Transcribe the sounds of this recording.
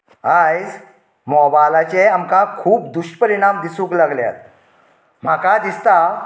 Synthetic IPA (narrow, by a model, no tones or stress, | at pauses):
ajd͡z | mɔbajlat͡ɕeamkakʰuːp̚d̪uɕʈpəɾiɽ̃amd̪isũːklaɡlja̰t̪̚ | m̤akad̪ist̪a